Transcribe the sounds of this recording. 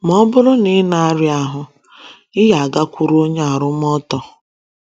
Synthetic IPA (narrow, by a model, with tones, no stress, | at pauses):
m˨ɔ˦bʊ˦ɾʊ˦nɪ˦na˨a˦˨˦ɾɪ˨˦a˨˦ɦʊ˨ | ɪ˦ɦa˨a˨ɡa˦kʷu˨ɾo˦ɲ˦a˨ɾʊ˦m˦ɔ˦tɔ˨